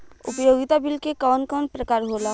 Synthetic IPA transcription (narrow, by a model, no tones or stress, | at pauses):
ʊ̰pəjoːɡɪt̪abɪlkekɔːnkɔːnpɾəkaːɾɦoːla